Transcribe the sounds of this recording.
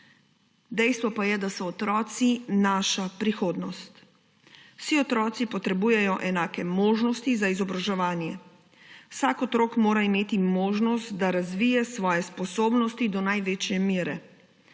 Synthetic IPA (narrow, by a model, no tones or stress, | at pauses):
d̪ɛjst̪ʋɔpajɛd̪asɔːt̪ɾɔːt̪sinaːʃapɾixoːd̪nɔst̪ | wsiɔt̪ɾɔːt̪sipɔt̪ɾɛbuːjɛjɔʔɛnaːkɛmoːʒnɔst̪izaizɔbɾaʒɛʋaːnjɛ | wsakɔt̪ɾoːkmoːɾaimeːt̪imoːʒnɔst̪d̪aɾazʋiːjɛsʋɔːjɛspɔsoːbnɔst̪id̪ɔnajʋeːt͡ʃjɛmiːɾɛ